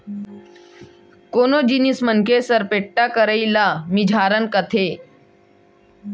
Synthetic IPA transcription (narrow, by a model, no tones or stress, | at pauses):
koːnoːd͡ʒinismənkʰeːsəɾpeːʈːaːkəɾəilaːmid͡ʒʱaːɾənkət̪ʰeː